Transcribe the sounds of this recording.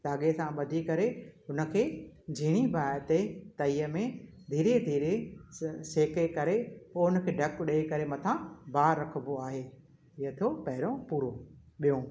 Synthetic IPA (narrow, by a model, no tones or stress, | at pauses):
t̪aːɠesãɓɐd̪ʱikɐɾeɦʊnə̆kʰeːd͡ʑʱiɽ̃ibaːɾt̪et̪ɐiːəmẽ | d̪ʱiːɾed̪ʱiːɾe | seːkekɐɾeɦoɦʊnəkʰeːɖʱɐkɗekɐɾemɐt̪ʰãbaːɾːɐkʰəboaːɦeː | ɪɦət̪ʰopɐɦɪɾõpuːɾo | ɓijõ